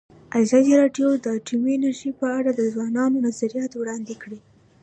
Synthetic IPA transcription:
azɑd̪iɾɑɖjod̪əʈuminaɾʒipəaɽad̪əzwɑnɑnonazaɾijɑt̪wɽɑnd̪ekɽi

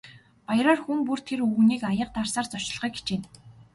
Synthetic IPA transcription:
pajraːrxuŋpur̥t̪ʰeruɣniːkajə̆q̚t̪arsaːrt͡sɔt͡ɕɪ̆ɮʁœːkɡe̥t͡ɕeːn

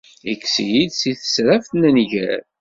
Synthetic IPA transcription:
ikːsijid̪siθə̥sɾafθnənʝæ̰ɾ

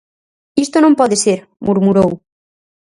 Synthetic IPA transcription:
ist̪onõmpɔðeseɾ | muɾmuɾow

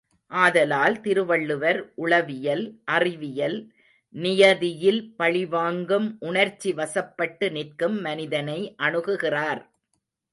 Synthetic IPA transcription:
ʔaːðɐlaːlt̪ɪɾɯʋɐɭːɯʋɐɾʔʊɭɐʋɪjɐlʔɐrɪʋɪjɐl | nɪjɐðɪjɪlpɐɭɪʋaːŋɡɯmʔʊɳɐɾt͡ʃːiʋɐsɐpːɐʈːɯnɪrkɯmːɐnɪðɐnɐɪʔɐɳɯɣɯɣɪraːɾ

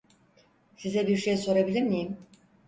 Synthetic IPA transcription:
sizɛbiɾʃejso̞ɾabilʲiɾnijim

